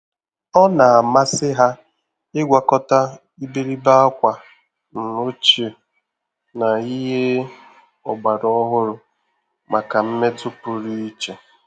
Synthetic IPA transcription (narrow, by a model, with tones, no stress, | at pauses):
ɔ˦na˨a˨ma˦sɪ˦ɦa˦ | ɪ˦ɡʷa˨kɔ˦ta˦ | i˦be˦ɾi˦ba˦a˦kʷa˨ | n̩˨o˦t͡ʃe˨ | na˨i˦ɦe˦ | ɔ˨ɡ͡ba˨ɾɔ˦ɦʊ˦ɾʊ˨ | mʔa˨ka˨m̩˦me˦tʊ˦pʊ˨ɾi˦i˦t͡ʃe˨